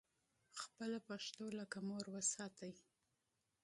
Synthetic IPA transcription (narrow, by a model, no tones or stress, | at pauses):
xpəlapaʃt̪olakamoɾwəsɑt̪aj